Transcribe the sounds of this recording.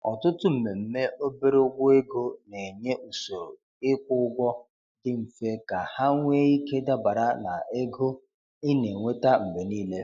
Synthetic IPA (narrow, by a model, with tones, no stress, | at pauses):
ɔ̰˨tʊ˦tʊ˦m̩˨me˨m̩˦me˦ʔo˦be˦ɾe˦ʊ˦ɡʷʊ˦e˦ɡo˦ne˨ɲe˦ʔu˨so˨ | ɪ˦kʷʊ˦ɡʷɔ˦ | dɪ˦m̩˨fe˦ka˨ha˦ŋʷe˦i˦ke˦da˦ba˨ɾa˦na˨ʔe˦ɡo˦ | ɪ˦ne˨ŋʷe˦ta˦m̩˨be˨niː˦le˦